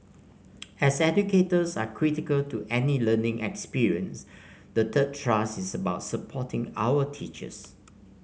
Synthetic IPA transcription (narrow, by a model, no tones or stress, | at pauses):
ɛsɛd͡ʒuketəsa̰kʰɹitɪkəltuʔɛnilənɪ̃ŋʔɛ̰kspiɹiə̃ns | dətʰəd̚tʰɹasɪsəbaʊtsəpʰɔtʰɪ̃ŋa̰wətʰit͡ʃə̰s